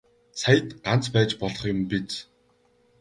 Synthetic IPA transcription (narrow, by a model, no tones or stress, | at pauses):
sʰajə̆t̪ɢan̥t͡spæːt͡ɕpɔɮɞ̆χjʊmpit͡s